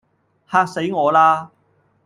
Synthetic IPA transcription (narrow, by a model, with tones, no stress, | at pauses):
haː˧k̚se˨˥jŋɔː˨˧laː˥